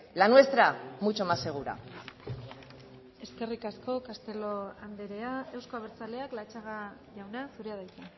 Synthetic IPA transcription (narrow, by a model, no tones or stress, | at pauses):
lanwe̞st̪ɾamut͡ʃomase̞ɣ̞uɾa̰ | e̞ske̞rikasko̞kast̪e̞lo̞and̪eɾe̞ae̞wsko̞aβ̞eɾt͡sale̞aklat͡ʃaɣaʝawnasuɾeað̞ajt̪e